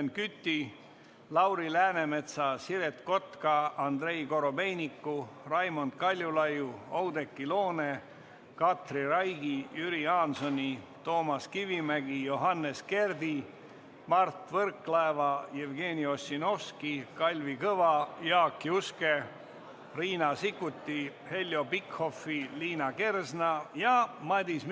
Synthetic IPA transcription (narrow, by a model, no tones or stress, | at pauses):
nkyt̪ːi | lɑwɾilæːne̞me̞t̪sɑsiɾet̪ko̞t̪kɑɑnd̪re̞jkoɾo̞be̞jnikːurɑjmo̞nd̪̥kɑlʲjulɑjuowd̪e̞kːilo̞ːne̞ | kɑt̪rirɑjɡ̥ijyɾiɑːnso̞nʲit̪o̞ːmɑskivimæɡijo̞ɦɑnːe̞ske̞rd̪i | mɑrt̪vɤrkːlɑevɑjevɡe̞ːnio̞sʲːino̞fskikɑlʲvikɤvɑjɑːkːiuske̞ | riːnɑsikːˑut̪ʲːihe̞lʲːjo̞pikho̞fːiliːnɑke̞rsnɑjɑmɑd̪ʲism